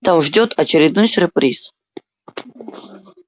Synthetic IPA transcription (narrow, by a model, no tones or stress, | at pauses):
t̪amʐdʲot̪ʰɐt͡ɕɪɾʲɪd̪̚nojsʲʊrprʲis